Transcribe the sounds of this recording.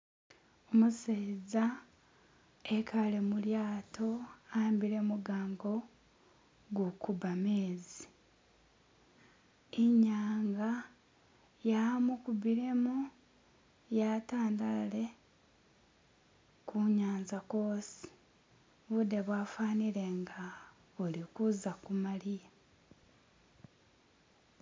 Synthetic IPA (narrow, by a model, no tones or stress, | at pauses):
omuseza | ekʰalemuljaːto̞ambiɾe̞muɡaːŋɡo̞ | ɡukubameːzi | iɲaːŋɡa | jamukuβiɾe̞mu | jataːndalale̞ | kʰuɲaːnzakoːsi̥ | βude̞βwaːfaːniɾe̞ŋɡa | olikuzakumalija